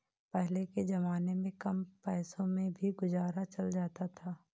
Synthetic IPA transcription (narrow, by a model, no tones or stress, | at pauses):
pɛɦleked͡ʒɐmaːnemẽkɐmpɛːsõmẽbʱiɡʊzaːɾat͡ʃɐld͡ʒaːt̪at̪ʰaː